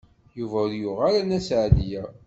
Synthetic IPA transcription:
juvæʊɾjuʁaɾanæsʕðijæ

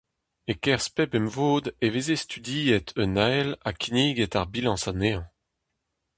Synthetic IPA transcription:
ekɛʁspɛpɛmvoːd̪evezest̪yd̪iːet̪ʰønalakʲʰiniːɡɛt̪aʁbilɑ̃saneɑ̃

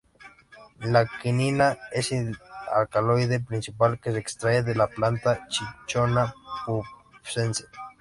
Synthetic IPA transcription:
lakininaesia̰lkalojðepɾinsipalkes̬eːkst̪ɾaeðelaplant̪at͡ʃit͡ʃonapusense

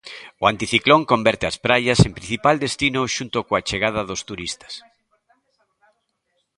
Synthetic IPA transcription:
oant̪iθikloŋkombɛɾt̪easpɾajɐsempɾin̟θipald̪est̪inʊʃunt̪ʊkoat͡ʃeɣaðɐðʊst̪uɾist̪ɐ̥s

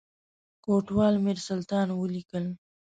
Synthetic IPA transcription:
koʈwɑlmɪɾsʊlt̪ɑnwəlikəl

